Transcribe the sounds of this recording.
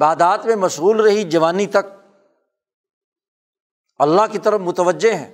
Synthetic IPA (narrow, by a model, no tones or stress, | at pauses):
baːd̪aːt̪mẽmɐʃɣuːlɾɐɦid͡ʒɐʋaːnit̪ɐk̚ | ɐlːaɦkit̪ɐɾəfmʊt̪əʋəd͡ʒːeɦɛ̰̃ː